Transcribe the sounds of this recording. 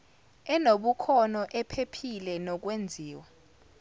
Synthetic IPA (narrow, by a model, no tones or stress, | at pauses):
ɛnoɓukʰɔnɔʔɛpʰepʰilɛnɔk̬wend͡zʱiːwa